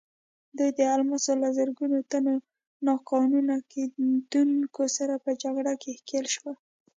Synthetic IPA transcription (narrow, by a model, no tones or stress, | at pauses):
d̪ujd̪əalmasolazəɾɡunot̪ano | nɑkɑnunaked̪uŋkosaɾapəd͡ʒaɡɽakehkelʃwa